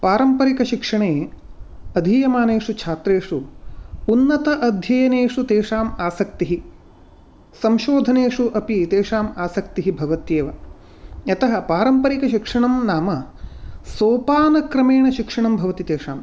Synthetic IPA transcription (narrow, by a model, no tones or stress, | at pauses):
paːɾɐmpɐɾikɐʃikʂɐɳeː | ɐd̪ʱijɐmaːneːʂut͡ʃʰaːt̪ɾeːʂuunːɐt̪ɐʔɐd̪ʱjɐjɐneːʂut̪eːʂaːmaːsɐk̚t̪iɦi | sɐmʃoːd̪ʱɐneːʂuʔɐpit̪eːʂaːmaːsɐk̚t̪iɦibʱɐʋɐt̪jeːʋɐ | ɐt̪ɐɦɐpaːɾɐmpɐɾikɐʃikʂɐɳɐmnaːmɐ | soːpaːnɐkɾɐmeːɳɐʃikʂɐɳɐmbʱɐʋɐt̪it̪eːʂaːm